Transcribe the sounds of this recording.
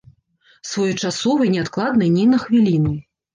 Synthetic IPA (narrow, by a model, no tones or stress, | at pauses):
svɔjut͡ʂasɔvɨnʲɛat̪klˠad̪nɐjnʲinɐxvʲilʲinɨ